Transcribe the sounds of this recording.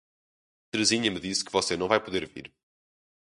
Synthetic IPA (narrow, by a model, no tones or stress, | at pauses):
t̪ɾɨziɲɐmɨðiskɨvɔsenɐ̃w̃vajpuðeɾvḭɾ